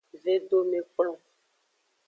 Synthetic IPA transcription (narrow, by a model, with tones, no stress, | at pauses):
ve˦ɖo˦mẽ˨k͡plɔ̃˦˨